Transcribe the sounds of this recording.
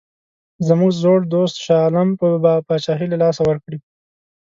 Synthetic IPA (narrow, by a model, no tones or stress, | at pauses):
zəmuɡzoɽd̪ost̪ʃɑlampəbɑpɑt͡ʃɑɦilalɑsawəɾkɽi